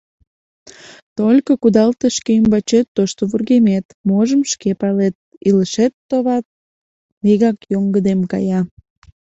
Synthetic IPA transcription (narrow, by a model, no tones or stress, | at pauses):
t̪olʲkokud̪ɑlt̪əʃkeəmbɑt͡ɕet̪ːoʃt̪oβurɣemet̪moʒəmʃkepɑlet̪̚iləʃet̪ːoβɑt̪̚ | meɣɑkjoŋɡəd̪emkɑ̰jɑ